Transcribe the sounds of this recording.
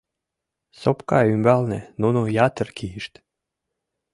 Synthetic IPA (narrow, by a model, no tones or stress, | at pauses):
sopkɑymbɑlnenunujɑt̪ərkʰiiʃt̪